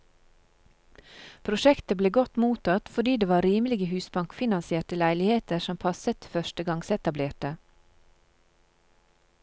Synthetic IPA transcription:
pʰɾʊʃɛkt̪əbleːɡɔt̪muːt̪ʰɑt̪fɔɖiːd̪eːʋɑːɾɾiːməlɪɡəhʉːsbɑŋkfɪnɑnsɪeːʈəlæɪlɪheːt̪əʃɔmpʰɑsət̪fœʃtəɡɑŋsɛt̪ɑbleːʈə

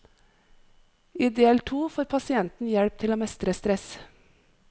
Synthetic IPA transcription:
iːd̪eːlt̪ʰuːfoːɾpʰɑsɪɛnt̪n̩jɛɽp̚t̪ʰɪloːmɛst̪ɾəst̪ɾɛs

